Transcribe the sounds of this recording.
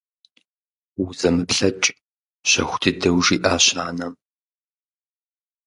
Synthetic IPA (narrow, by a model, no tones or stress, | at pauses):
wuzɐmɨpɬɐt͡ʃʼ | ɕɐ̰xʷʊ̥dʰɨdɐwʐiːʔaːɕaːnɐm